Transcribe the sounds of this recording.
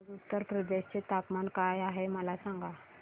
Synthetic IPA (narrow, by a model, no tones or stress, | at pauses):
ut̪ːəɾpɾəd̪eɕt͡set̪apmankajaɦeməlasaŋɡa